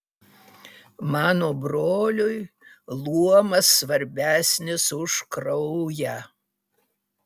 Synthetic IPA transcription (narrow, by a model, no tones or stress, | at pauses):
mɑːnoːbɾoːlʲʊjlˠuɔmɐsːʋɐɾʲbʲæːsʲnʲɪsʊʃkɾɔʊjæ